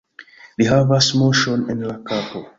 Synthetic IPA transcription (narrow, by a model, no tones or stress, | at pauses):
ðiɦavasmoʃɔ̃nɪ̃nlakapo